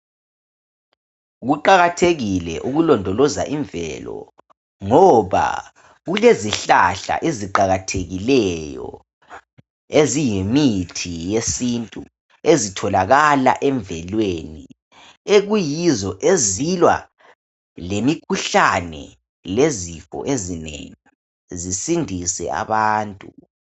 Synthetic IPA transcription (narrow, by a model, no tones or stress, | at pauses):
ɣuǃaɣatʰeɣilɛ̰ʔuɣulɔndʱɔlɔza̰ʔiɱbvɛ̰lɔ̰ | ŋɔβa̰ | ɣuleziɬa̰ɬa̰ʔeziǃaɣatʰeɣilɛjɔ̰ | ezijemitʰijesintʼu | ezitʰɔlaɣala̰ʔɛɱbvɛlweni | eɣujizɔʔezilwa̰ | lemikʰuɬanɛ̰ | lezifɔ̰ʔezinḛŋi | zisindʱisɛ̰a̰βaːntʼu